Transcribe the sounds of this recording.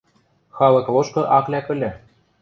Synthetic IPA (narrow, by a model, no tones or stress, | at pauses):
xɑlɤ̆klˠoʃkɤ̆ʔɑklʲækɘ̆lʲɘ̆